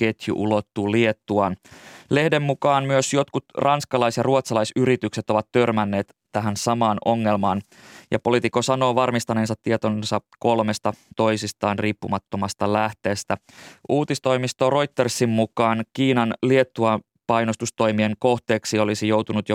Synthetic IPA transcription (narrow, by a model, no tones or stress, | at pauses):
ke̞t̪jṵʔulo̞t̪ːuːlie̞t̪ːuɑnle̞hde̞mːukɑːnmyøsjo̞t̪kut̪rʔɑnskɑlɑjsjɑruot̪sɑlɑjsyɾit̪ykse̞t̪oʋɑt̪t̪ørmænːe̞ːt̪ | t̪æɦænsɑmɑːno̞ŋːe̞lmɑːn | jɑ̰po̞lit̪ikːosɑno̞ːʋɑrmist̪ɑneːnsɑt̪ːiet̪onsɑko̞lme̞st̪ɑt̪o̞jsist̪ɑːnriːpːumɑt̪ːo̞mɑst̪ɑlæht̪e̞ːst̪æ | ʔuːt̪ist̪o̞jmist̪oro̞jt̪ːersːimmukɑːnkiːnɑnlie̞t̪ːuɑ | pɑjnost̪ust̪o̞jmieŋko̞ht̪e̞ːksio̞lisijo̞wt̪unut̪jo